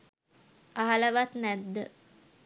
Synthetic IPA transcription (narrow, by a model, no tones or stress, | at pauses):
aɦaləʋat̪næd̪ːə